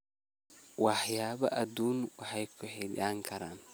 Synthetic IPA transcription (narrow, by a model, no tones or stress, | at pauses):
wɑħjaːβɐ̰ʔɐd̪uːnwɑħajkʰʊħɛdaːŋkʰɐɾaːn